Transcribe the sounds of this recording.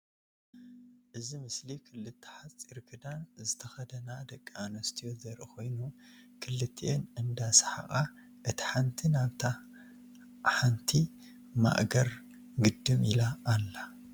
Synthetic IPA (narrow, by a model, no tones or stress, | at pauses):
ʔɨzimɨslikʰɨlːɨt̪ʰːɐ̥ħat͡sʼiɾkʰɨd̪anzɨt̪ʰɐxɐd̪ɐnad̪ɐkʼːianɐst̪ʰijo̞zɐɾʔɨkʰo̞jnukʰɨlːɨt̪ʰːʔenɨnd̪asḁħa̰χʼa | ʔɨt̪ʰi̥ħant̪ʰinaβt̪ʰa | ħant̪ʰi | ma̰ʔɡɐɾ | ɡɨd̪ːɨmilaːlːa